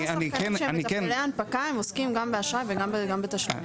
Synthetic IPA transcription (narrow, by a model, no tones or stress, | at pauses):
anikenʃenikenleanpakaemoskimɡambeaʃʁajveɡambeɡambet̪aʃlḭ